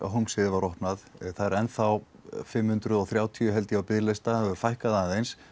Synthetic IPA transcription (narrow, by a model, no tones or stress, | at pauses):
ɦuŋsɪðvaɾɔhpnaðθaɾɛnθaw | fɪmhʏnt̪ɾʏðɔɣθɾjaːwt̪ʰiʏɦɛlt̪ɪawpɪðlɪst̪aɛvʏɾfajhkaðanðejns